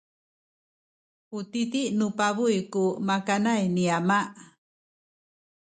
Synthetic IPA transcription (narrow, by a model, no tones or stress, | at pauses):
utitiʔnupaβujkumakanajniamaʔ